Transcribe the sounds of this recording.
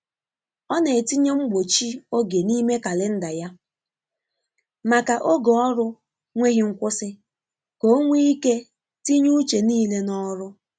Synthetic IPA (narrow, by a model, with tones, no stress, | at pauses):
ɔ˦ne˨ti˦ɲe˦ŋ͡m̩˦ɡ͡bo˨t͡ʃi˦o˦ɡe˨ni˦me˦ka˨lɪ˦n̩˦da˨ja˦ | ma˨ka˨ʔo˦ɡo˨ɔ˦ɾʊ˦ | ŋʷe˦ɣi˦ŋ̩˦kʷʊ˦sɪ˦ | ko˦o˦ŋʷi˦i˦ke˦ | ti˦ɲu˦t͡ʃe˨niː˦le˦nɔ˦ɾʊ˦